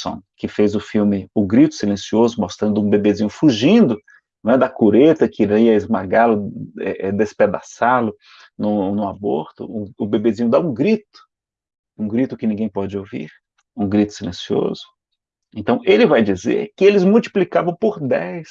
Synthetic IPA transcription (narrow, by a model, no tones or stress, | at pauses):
sõ̰kɪfejzʊfiwmɪʊɡɾit̪ʊ̥silẽsiozʊmost̪ɾɐ̃nd̪ʊũbebezĩɲʊfuʒĩd̪ʊ | nɐ̃w̃ɛd̪ɐkuɾet̪ɐkiɾaiɐɪzmaɡalʊɛ̰ʔɛd̪esped̪a̰salʊ | nʊnʊabo̰ɾt̪ʊ̰ʊʊbebezĩɲʊd̪aũɡɾit̪ʊ̥ | ũɡɾit̪ʊkɪnĩɡẽj̃pɔd͡ʒɪovḭɾ | ũɡɾit̪ʊ̥silẽsio̰zʊ̥ | ẽnt̪ɐ̃w̃ʔelɪvajd͡ʒizḛɾkɪelɪzmuwt͡ʃi̥plikavɐ̃w̃poɾd̪ɛjs